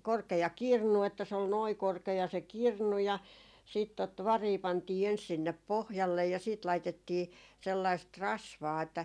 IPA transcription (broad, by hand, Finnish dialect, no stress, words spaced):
korkejɑ kirnu etːæ se ol noi korkejɑ se kirnu jɑ siːt tot ʋɑriː pɑntiː ens sinːep pohjɑlːej jɑ siːt lɑitetːiː selːɑist rɑsʋɑː etːæ